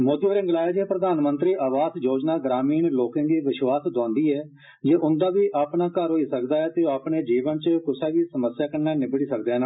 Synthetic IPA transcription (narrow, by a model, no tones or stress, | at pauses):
moːd̪iːoɾɪ̃ŋɡlaːed͡ʒeːpɾəd̪aːnmənt̪ɾiːʔaːʋaːsjoːd͡ʒnaːɡɾaːmiːnloːkẽːɡ̪iːʋɪʃʋaːsd̪ãːnd̪iːɛː | d͡ʒeːʔʊnd̪aːʋiːʔaːpɳaːkəɾɦoːiːsəkd̪aːɛːt̪eːoːaːpɳeːd͡ʒiːʋənt͡ʃəkʊsaːɡiːsəməsjaːkənːaːnɪbəɽiːsək̚d̪eːna